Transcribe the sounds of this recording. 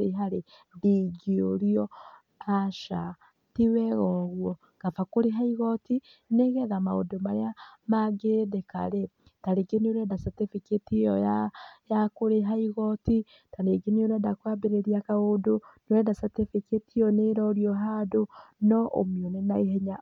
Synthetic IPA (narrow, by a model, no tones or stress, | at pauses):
ɾeɦaɾe | diɡioɾiɔ | aʃa | tiwɛɣɔɣwɔ | kafakoɾeɦaiɣɔti | neɣɛðamao̰domaɾeamaɡedeka̰ɾe | taɾeɡenioɾɛdasatefeketijɔjajakoɾeɦaiɣɔti | taɾeɡenioɾɛdakwabeɾeɾiakaodonowɛdasatefeketiɔneɾɔɾiɔɦadonɔʔo̰mjɔnenaeɦɛɲa